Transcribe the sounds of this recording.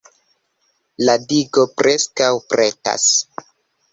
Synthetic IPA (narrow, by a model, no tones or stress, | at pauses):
ladiɡo̞pɾe̞skawpɾe̞ta̰s